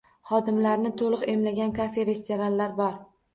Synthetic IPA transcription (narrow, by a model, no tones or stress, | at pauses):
χɒd̪ɪmlaɾnɪt̪ʰolˠɨqe̞mlaɡʲankʰafeɾe̞st̪e̞ɾanlaɾbɒɾ